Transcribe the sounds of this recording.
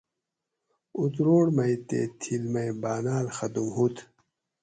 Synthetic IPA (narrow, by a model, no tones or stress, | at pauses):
ut̪ɾoːɽmɐjt̪ḛːt̪ʰilmɐjbaːnaːlxɐd̪umhut̪